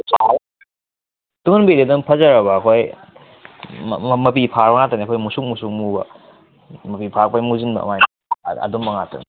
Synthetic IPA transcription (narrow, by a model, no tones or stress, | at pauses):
sa | tuŋɯnbededɐmpʰɐzɐɾɐβɐːkʰoj | mɐp̬ipʰaɾbɐŋataniɐkʰojmusuk̚musuk̚mubɐ̰ | mɐpipʰak̚pajmuzinbɐ̰majn | ɐ̰dumbɐŋatɐ̰ni